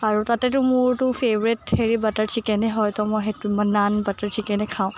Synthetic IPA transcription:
aɹutatɛtʊmʊɹtʊpʰevɔɹitheɹibataɹsʰikɛnɛɦɔjtɔmɔjɦetmənanbataɹsʰikɛnɛkʰaʊ̃

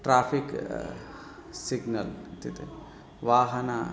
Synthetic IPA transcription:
ʈɾaːfik | siɡnɐlt̪it̪e | ʋaːɦɐna

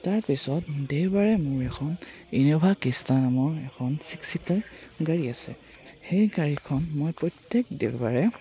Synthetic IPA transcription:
taɹpisɔtdewbaɹɛmʊɹɛkʰɔninɔbʱakistanamɔɹɛkʰɔnsiksitaɡaɹiasɛ̰ | xejɡaɹikʰɔnmɔjpɹɔjtjɛk̚dḛwba̰ɹɛ

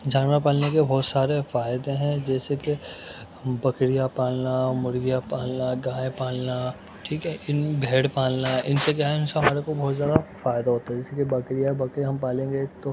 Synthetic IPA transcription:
d͡ʒaːnʋapaːlnekebʱɔːt̪saːɾefaːɪd̪ẽɦɛ̃d͡ʒɛːseke | bɐkɽijapaːlnamʊɾɡijapaːlnaɡaːẽpaːlna | ʈʰiːkɦɛʔɪnbʱeːɽpaːlnaʔɪnsek̬jaːɦɛʊnseɦɐmaːɾekobɔːt̪zjaːd̪afaːɪd̪aɦoːt̪aɦɛ̃d͡ʒɛːsekebɐkɾijabɐkɾiɦɐmpaːlẽːŋɡet̪o

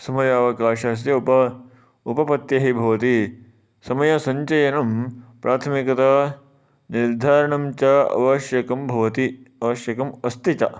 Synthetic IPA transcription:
sɐmɐjaːʋɐkaːʃɐs̬jɐupɐ | upɐpɐt̪jɐɦibʱɐʋɐt̪i | sɐmɐjɐsɐɲt͡ʃɐjɐnɐmpɾʔaːt̪ʰɐmikɐt̪ɐ | niɾd̪ʱaːɾɐɳɐmt͡ʃɐɐ̰ʋɐʃjɐkɐmbʱɐʋɐt̪iɐʋɐʃjɐkɐmɐst̪it͡ʃɐ̰

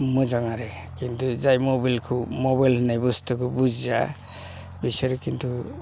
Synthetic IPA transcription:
mɯd͡ʒaŋaɾekint̪ʰuzajmɔbalkʰumɔbajlhɯnajbustʰɯkʰɯbud͡ʒza | bisɯɾkint̪ʰu

